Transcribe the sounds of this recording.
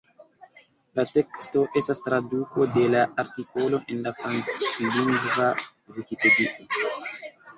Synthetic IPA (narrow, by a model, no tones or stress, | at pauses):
lat̪ɛkst̪oʔesast̪ɾad̪uːkod̪elaʔaɾt̪ikoloʔenlafansliŋɡva | wikiped̪iʔa